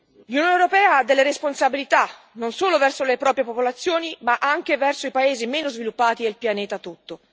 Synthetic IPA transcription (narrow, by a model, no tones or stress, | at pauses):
lunjoːnewɾopɛːaad̪ːelːeɾesponsabilit̪a | nonsoːlovɛrsolepɾɔːpɾjepopolat̪sːjoːnimaʔaŋkevɛrsoipaeːzimeːnozvilupːaːt̪id̪elpjanɛːt̪at̪ut̪ːo